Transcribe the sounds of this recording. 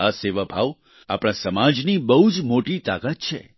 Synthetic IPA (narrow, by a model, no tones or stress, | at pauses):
aseʋəbʱaʋ | a̰pɽ̃ãsəmad͡ʒnibəɦud͡ʒmoʈit̪akət̪̚t͡ʃʰḛ